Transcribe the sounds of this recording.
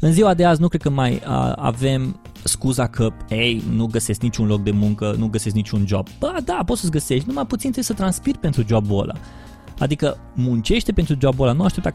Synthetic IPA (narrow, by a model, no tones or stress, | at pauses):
ɨnziwad̪eaznukɾed̪kəmajə̰a̰ve̞m | skuzakʰəpejnuɡəse̞sknit͡ʃunlo̞k̚d̪e̞muŋkənuɡəse̞sknit͡ʃund͡ʒob̚b̥əd̪apot̪səs̬ʲɡəse̞ʃt̪numajput̪sint̪esət̪ɾanspirpent̪ɾud͡ʒobbo̰lʔa̰ | ad̪ikə | munt͡ʃe̞ʃt̪e̞pe̞nt̪ɾud͡ʒoabolanuaʃt̪ep̚t̪a